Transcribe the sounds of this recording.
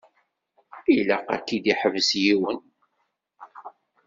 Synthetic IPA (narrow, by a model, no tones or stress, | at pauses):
iləqæ̰kːid̪iħəvəsjiwən